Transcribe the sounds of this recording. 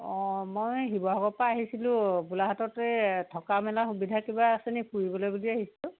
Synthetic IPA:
ɔ̃mojɦibɔaɡɔpaːɦisilʊ̃bulaɦatɔtɛtʰɔkamɛlaxubidʱakibasɛnipuɹibɔlojbuliaɦisilʊ̃

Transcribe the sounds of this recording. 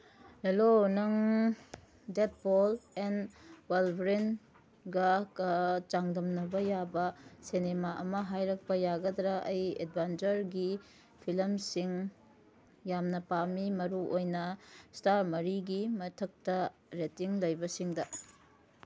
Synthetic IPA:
helonɐŋ | det̚bolenwelbɾen | ɡɐkɐt͡ʃaŋdɐmnɐbɐjabɐsenemaʔɐmɐɦajɾɐk̚pɐjaɡɐd̪ɾɐʔɐjḛd̚bʱant͡ʃɐɾɡi | pʰilɐmsiŋ | jamnɐpamimɐɾuʔojnɐstaɾmɐɾiɡimɐtʰɐk̚tɐɾetiŋlɐjbɐsiŋdɐ

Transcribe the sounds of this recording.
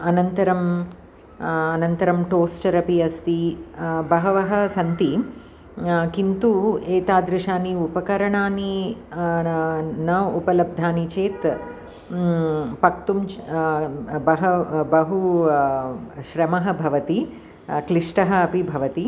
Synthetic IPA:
ɐnɐnt̪ɐɾɐm | ɐnɐnt̪ɐɾɐmʈoːsʈɐɾɐpiɐst̪ibɐɦɐʋɐɦɐ̆sɐnt̪i | kint̪ueːt̪aːd̪ɾɪʃaːniupɐkɐɾɐɳaːni | nɐupɐlɐb̚d̪ʱaːnit͡ʃeːt̪ | pɐk̚t̪um | bɐɦɐbɐɦu | ʃɾɐmɐɦɐ̆bʱɐʋɐt̪i | kliʂʈɐɦɐɐpibʱɐʋɐt̪i

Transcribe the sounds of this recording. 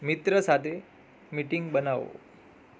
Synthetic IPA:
mit̪ɾəsat̪ʰe | miʈiŋɡbənaʋo̰

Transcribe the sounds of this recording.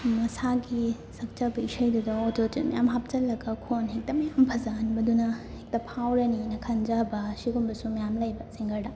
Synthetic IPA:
mɐsaɡi | sɐk̚t͡ʃɐbɐisɐjdudɐototitmɐ̰jamɦap̚t͡ʃɐlːɐɡɐkʰonɦek̚tɐmɐjampʰɐzanibɐdunɐhek̚tɐpʰawɾɐninɐkʰɐnd͡ʒɐbɐsiɡumbɐsumɐjamlɐjbɐsiŋɡɐɾdɐ

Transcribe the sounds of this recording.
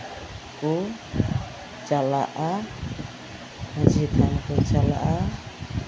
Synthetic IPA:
ku | t͡ʃalaʔa | had͡ʒit̪ankɔt͡ʃala̰ʔa

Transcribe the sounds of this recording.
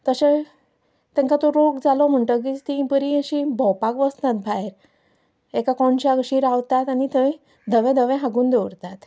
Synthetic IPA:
t̪əɕe | t̪ɛ̃ŋkat̪oɾoɡd͡zalɔm̤əɳʈək̬it̪ĩbəɾiəɕibʱɔwpakʋəst̪at̪̚bʱaeɾ | ekakɔɳt͡ɕaɡɕiɾaʋt̪at̪anit̪ə | d̪ʱəʋɛ̃d̪ʱəʋɛ̃ɦaɡuːnd̪eʋɽt̪at̪

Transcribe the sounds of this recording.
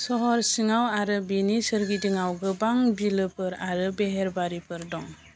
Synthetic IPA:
sɔɦɔɾsiŋawaɾɯbinisɯɾɡidiŋawɡɯbaŋbilɯpʰɯɾaɾɯbeɦeɾbaɾipʰɯɾdɔŋ

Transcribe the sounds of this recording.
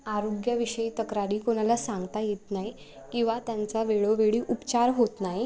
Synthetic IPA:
aɾoɡjaʋiɕəit̪əkɾaɾiːkoñalasãŋɡt̪ajet̪naj | kĩw̃ʋat̪jant͡saʋeɭoʋeɭiːʔupt͡ɕaɾɦot̪naj

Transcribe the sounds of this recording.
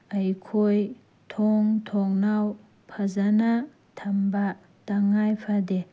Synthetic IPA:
ɐjkʰoj | tʰɔŋtʰɔŋnaw | pʰɐzana | tʰɐmba | taŋajpʰade

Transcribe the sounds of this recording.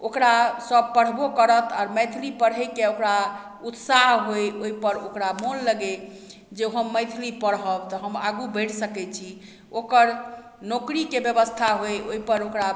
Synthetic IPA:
okɾasəb̚pəɽ̤bokəɾət̪ʰa̰ɾməjt̪ʰlipəɽɦəjkeokɾa | ut̪saɦɦojoipəɾokɾamonləɡe | d͡ʒeɦəmːəjt̪ʰilipəɽɦəbt̪ɔɦəma̰ɡubəɪʈʰsəkɛt͡ʃʰi | okəɾ | nokɾikebjəbəst̪ʰaɦojoipəɾokɾa

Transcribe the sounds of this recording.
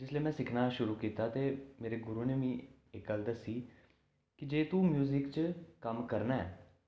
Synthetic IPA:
d͡ʒɪsleːmɛ̃ːsɪkʰnaːʃʊɾuːkiːt̪aːt̪eːmeːɾeːɡʊɾuːneːʋĩː | ɪkɡəld̪əsiː | kɪd͡ʒeːt̪uːmjuːzɪkt͡ʃkəmkəɾnaɛ̰ː

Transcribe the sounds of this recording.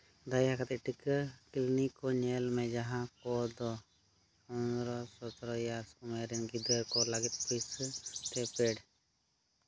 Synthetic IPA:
d̪ajɦakat̪iʈikklinikɔɲeːlmẽd͡ʒaɦãkɔd̪ɔ | ɔnɾɔsɔt̪ɾɔjasumeɾinɡid̪əɾkɔlaɡit̪pəjst̪epeːɽ

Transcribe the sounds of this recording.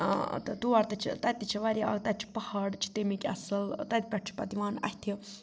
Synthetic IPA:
t̪ɨd̪uaɾt̪ɐt͡ʃʰit̪ɐt̪ːit͡ʃʰiʋɐɾʲa̰ːɡt̪ɐt̪̚t͡ʃʰi̥pɐhaɽt͡ʃʰi̥t̪emikʲʼɐ̰səlt̪ɐt̪̚ʲpʲɛʈ̚ʰt͡ʃʰi̥pɐd̪iʋaːnɐ̰hʲt̪ʰi

